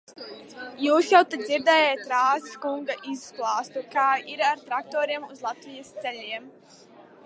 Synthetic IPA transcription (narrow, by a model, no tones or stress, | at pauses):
juːsjawt̪ad̪d̪ziɾd̪ɛːjɛjt̪ɾaːziskuŋɡaʔizsklˠɑːst̪ukaːiɾaɾt̪ɾak̚t̪ɔːɾiɛmuzlˠat̪vijast̪sɛʎʲiɛm